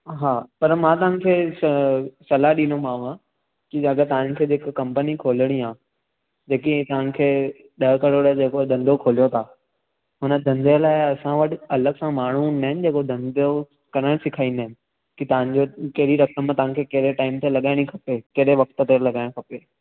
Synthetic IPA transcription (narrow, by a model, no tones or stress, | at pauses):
ɦaːpɐɾmãt̪̬ɐʋə̃n̆kʰeːssɐlaɗĩːnomãːã | kiɐɡət̪ɐʋə̃nɪ̆kʰeːd͡ʑɪkkɐ̃mpənikʰoːləɽ̃iãː | d͡ʑeːkit̪ɐʋə̃n̆kʰeː | ɗɐɦkɐɽoɾəd͡ʑeːkod̪ʱɐ̃nd̪ʱokʰoːlijot̪ʰaː | ɦʊnəd̪ʱɐ̃nd̪ijəlaːɪɐsãʋɐʈ̆ɐləɡsãmaːɳ̤unaɦɪnɪd͡ʑeːkod̪ʱɐ̃nd̪ʱo | kɐɾəɽ̃sɪkʰaːĩnd̪əɦɪnɪ̆ | kit̪ɐʋə̃ɲd͡ʑokɐɦɪɽiɾɐkəmt̪ɐʋãkʰekɐɦɾeʈaːɪmt̪elɐɠaːɪɽ̃ĩkʰɐpekɐɾeʋɐkʰt̪̆t̪elɐɠaːɪɽ̃kʰɐpeː